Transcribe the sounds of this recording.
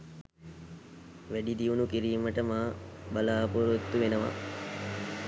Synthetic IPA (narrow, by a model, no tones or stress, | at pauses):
ʋæɖid̪iunukiɾiːməʈəmaːbalaːpuɾut̪ːuʋenəʋa̰